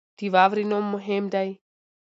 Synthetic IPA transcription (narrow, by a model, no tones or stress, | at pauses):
t̪iʋaʋɾinomːoɦemd̪aj